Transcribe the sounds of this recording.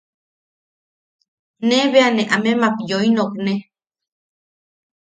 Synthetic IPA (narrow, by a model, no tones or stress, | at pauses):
neβeaneʔamemakjoinokne